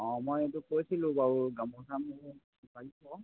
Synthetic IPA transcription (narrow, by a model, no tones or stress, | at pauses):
ɔ̃mojetʊkojsilʊ̃baɹuɡamkʰɔtʰamu | sipaɹipɔ